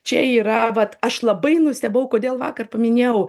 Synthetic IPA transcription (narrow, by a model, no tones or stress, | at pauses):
t͡ʃʲɛiːɾɐʋɐt̪ɐʃlˠɐbɐɪnʊsʲtʲɛbɐʊkoːd̪ʲeːlˠʋɑ̰ːkɐrpɐmʲɪnʲeːjɛʊ